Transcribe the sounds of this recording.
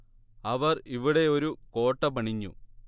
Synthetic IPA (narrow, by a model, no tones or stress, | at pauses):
ɐʋɐriʋiɽe̞o̞ɾuko̞ːʈːɐbɐɳiɲːṵ